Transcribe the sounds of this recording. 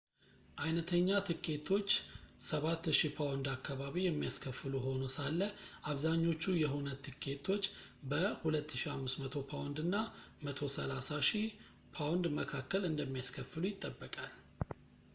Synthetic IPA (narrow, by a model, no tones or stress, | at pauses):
ʔajnət̪ʰəɲːat̪ʰɨkʰʼːe̞t̪ʰo̞t͡ʃːsəβat̪ːʃipʰawnd̪akʰːaβaβijɛmːijaskʰəfːɨluɦo̞nosalːəʔaβzaɲːo̞t͡ʃːujɛɦunət̪ʰɨkʰːe̞t̪ʰo̞t͡ʃːbəhulət̪ʰːɨʃihamːɨsmət̪ʰo̞pʰawnd̪ɨnːamət̪ʰo̞səlasaʃi | pʰawnd̪məkʰakːəlɨnd̪əmːijaskʰəfɨlujɪt̪ʼːəbːəkʼal